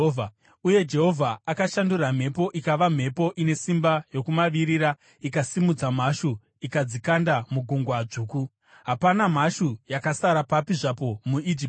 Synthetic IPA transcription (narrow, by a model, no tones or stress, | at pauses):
uje̞d͡ʒe̞ɦo̞vʱaakaʃanduram̤e̞po̞ʔikaʋam̤e̞po̞ʔine̞simbajo̞kumaʋiɾiɾa | ikasimud͡zam̤aʃu | ikad͡zikandamuɡʱoŋɡwad͡ʐuːku | ɦapanam̤aʃujakasaɾapapiʐapo̞muid͡ʒip